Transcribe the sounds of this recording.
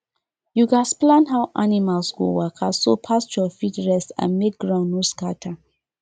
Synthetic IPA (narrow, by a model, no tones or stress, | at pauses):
juɡasplãnɦaʊʔanimalsɡo̰wakʰasopʰasjɔfitɹɛstã̰nmek̚ɡɹãʊ̃nːoskatʰa